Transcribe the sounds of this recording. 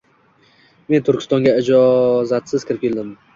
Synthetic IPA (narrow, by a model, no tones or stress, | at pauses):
me̞nt̪ʰʊɾkʰʲɪ̥st̪ɒŋɡʲaɪd͡ʒɒzat̪sɪzkʲɪɾɪp̚kʲʰeld̪ɪm